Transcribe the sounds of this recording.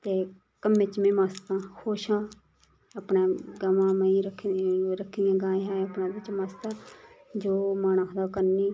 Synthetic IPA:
t̪eː | kəmeːt͡ʃmẽːmaːst̪ãːkʰoːʃãː | əpnaːɡamãːməiːɾəkʰɾəkʰːijãːɡãːãːəpnãːbɪt͡ʃmaːst̪ãːd͡ʒoːmaːñaːkʰəd̪aːkəɾniː

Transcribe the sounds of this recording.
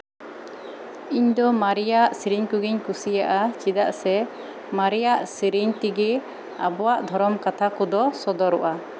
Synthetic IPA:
iɲd̪ɔmaɾijaʔsiɾiɲkuɡiɲkusijaʔat͡ʃid̪aʔsɛ | maɾijaʔsiɾiɲt̪iɡɛ | a̰bɔwaʔd̪ʱɔɾɔmkat̪ʰakɔd̪ɔsɔd̪ɔɾɔʔa

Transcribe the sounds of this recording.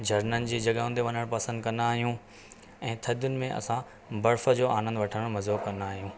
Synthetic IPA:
d͡ʑʱɐɾnənɪ̆d͡ʑeːd͡ʑɐɡaɦũn̆d̪eʋɐɲəɽ̃pɐsə̃nd̪kɐ̃nd̪aːɦijũ | ɛ̃ːt̪ʰɐd̪jʊnɪ̆mẽʔɐ̰sã | bɐɾfə̆d͡ʑoːʔaːnə̃nd̪ʋɐʈʰəɽ̃əɽ̃mɐzoːkɐ̃nd̪aːɦijũː

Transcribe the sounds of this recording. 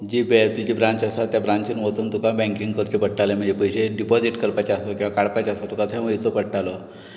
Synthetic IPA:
d͡ʑibɛt̪ud͡ʑibɾãɲt͡ɕasat̪ːjabɾãɲt͡ɕinʋot͡sunt̪ukabɛ̃ŋkiŋɡkəɾt͡ɕepəɽʈalem̤əɳd͡zepəjɕeɖipɔd͡ziʈkəɾpat͡ɕeasokʲĩʋakaɽpat͡ɕasat̪ukat̪ʰɛ̃əit͡sopəɽʈalo

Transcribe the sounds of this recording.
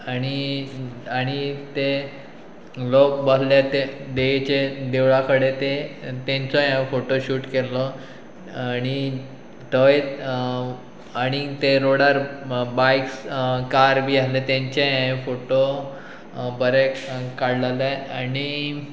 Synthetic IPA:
aɽ̃i | aɽ̃it̪e | lok̚bəsljat̪ed̪et͡ɕed̪eʋɭakʰəɽet̪et̪ẽɲt͡sɔjãfoʈoɕuːʈkelːɔ | ɽ̃i | t̪əj | aɽ̃it̪eɾoɽaɾbajkskaɾbʱiːalet̪ãɲt͡ɕejãfoʈo | bəɾekaɽlalaaɽ̃i

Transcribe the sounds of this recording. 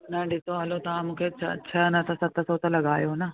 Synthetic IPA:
nɐːɳɖit̪oɐlut̪aːmuket͡ʃɐ̰t͡ʃʰːɐnɐt̪ɐsɐt̪ːɐsɐwt̪ɐlɐɡaːjoːnɐ

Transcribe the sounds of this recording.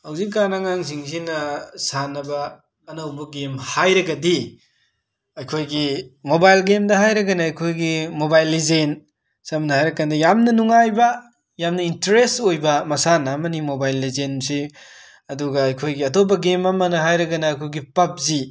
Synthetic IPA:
hawzikːanaŋaŋz̬iŋzinɐsanɐbɐː | nɐwbɐɡemhajɾɐɡɐdi | ɐjkʰojɡimobajlɡemdɐɦajɾɐɡɐnɐɐjkʰojɡimobajlːizen | samnɐhajɾɐkandɐjamnɐnuŋajbɐ | jamnɐintɐɾestojbɐmɐsanɐːmɐnimobajlːizensi | ɐduɡɐːjkʰojɡiɐtʰop̬ːɐɡemɐmɐnɐɦajɾɐɡɐnɐɐjkʰojɡipɐp̚zi

